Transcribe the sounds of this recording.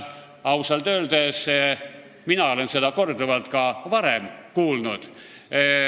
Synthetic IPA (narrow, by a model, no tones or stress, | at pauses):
ɑwseld̪øːld̪es | minɑo̞le̞nse̞d̪̥ɑko̞rd̪uvɑlt̪kɑvɑɾe̞mkuːlnud̪̥